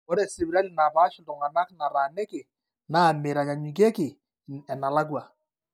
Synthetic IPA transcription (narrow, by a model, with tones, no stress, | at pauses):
o˦ɾe˨sɪ˨bi˨ɾa˦li˨na˨ba˦ʃɪ˦˨tʊ˨ŋa˨na˦kna˨ɾa˨nɛ˦kɪ˨ | na˦˨mɪ˨ɾa˨ɲa˨ɲi˨k̬e˦kɪ˨ | ɛ˨na˨la˦k̬wa˨